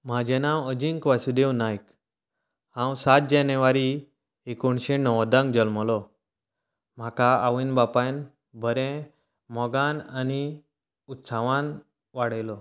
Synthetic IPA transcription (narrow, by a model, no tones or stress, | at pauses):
m̤ad͡ʑɛnãwəd͡ʑiŋkʋasud̪ewnajk | hãwsat̪̚d͡ʑanəʋaɾi | ekoɳɕenɔʋd̪ãŋɡd͡ʑəlmɔlɔ | m̤akaːʋinbapajn | bʱəɾẽ | mɔɡanani | ut̪saʋãn | ʋaɽəjlɔ